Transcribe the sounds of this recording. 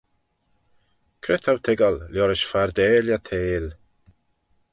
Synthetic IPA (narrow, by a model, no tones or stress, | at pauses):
kʰɾɛtʰawt̪ʰɪɡəlljɔɾɪʃfaɾd̪eːljat̪ʰeːl